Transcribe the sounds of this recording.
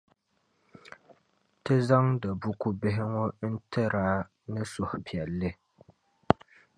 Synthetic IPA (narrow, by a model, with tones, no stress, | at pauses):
tɨ˦za˦ŋda˨bu˦ku˦bɪ˦ɦɪ˦ŋɔ˦n̩˦tʰɛ˦ɾa˦ | nɨ˦sʊ˨hʊ˨pi˨ɛ˨lːɨ˦